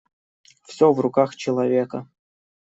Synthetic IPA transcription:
fsʲovrʊkaxt͡ɕɪlˠɐvʲekə

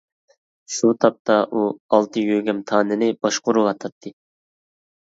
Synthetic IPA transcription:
ʃut̪ʰɑp̚t̪ʰɑʔuɑlˠt̪ʰɨjøɡʲɛmt̪ʰɑːnɨnɨb̥ɑʃqʊɾuwɑt̪ʰɑt̪ʰːɨ

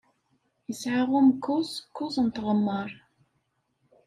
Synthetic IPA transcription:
jəsʕaʁʊmkːʊzkːʊzˤnt̪ʁəmːəɾˤ

